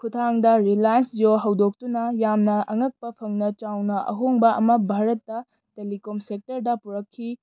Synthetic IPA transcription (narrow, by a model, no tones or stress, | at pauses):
kʰutʰaŋdɐɾilajnsjoɦɐwdok̚tunɐjamnɐɐŋɐk̚pɐpʰɐŋnɐt͡ʃawnɐʔɐ̰ɦoŋbɐʔɐmɐbʱaɾɐtːɐ | telikomsek̚tɐɾdɐpuɾɐkʰːi